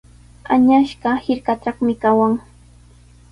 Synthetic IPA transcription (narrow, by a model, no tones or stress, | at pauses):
aɲaʃɢɑhɪɾkaʈ͡ʂɑχmɪkawaŋ